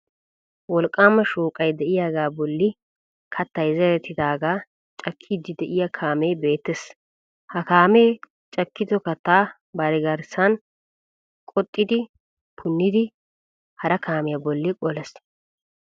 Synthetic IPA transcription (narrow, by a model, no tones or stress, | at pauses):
wɔlkʼːaːmɐʃuːkʼɐjd̪ɛʔɪjaːɡaːbɔlːɪ | kʰɐt̪ːɐjzɛɾɛt̪ːɪd̪aːɡaː | t͡ʃʼɐkʰːiːd̪ɪd̪ɛʔɪjɐkʰaːmeːbe̞ːt̪ːɛs | hɐkaːmeː | t͡ʃʼɐkːɪd̪ɔkɐt̪ːaː | bɐɾɪɡɐɾsɐn | kʼɔt̪ʼːɪd̪ɪ | pʰʊnːɪd̪ɪ | hɐɾɐkʰaːmɪjɐbɔlːɪkʼɔlɛs